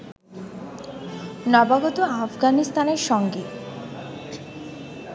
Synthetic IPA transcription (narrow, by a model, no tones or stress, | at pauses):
nɔbaɡot̪oafɡanist̪aneɾʃɔŋɡe